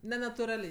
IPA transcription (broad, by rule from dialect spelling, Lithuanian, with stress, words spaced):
nʲɛnɐtʊˈrɑːlʲɛɪ